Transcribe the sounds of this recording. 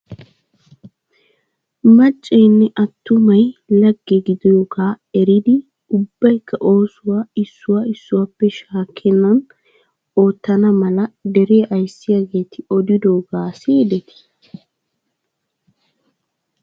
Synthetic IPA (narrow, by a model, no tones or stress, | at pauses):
mɐt͡ʃʼːeːnːɛʔɐt̪ːʊmɐjlɐɡːeɡɪd̪ɔjɔɡaː | ɛɾɪd̪ɪ | ʊbːɐjkʰːɐʔo̞ːsʊwaːɪsːʊwaːɪsːʊwapːɛʃaːkʰːɛnːɐn | o̞ːt̪ːɐnɐmɐlɐd̪ɛɾe̞ːʔɐjsːɪjaɡe̞ːt̪ɪɔd̪ɪd̪o̞ːɡaːsɪd̪ɛt̪ɪ̥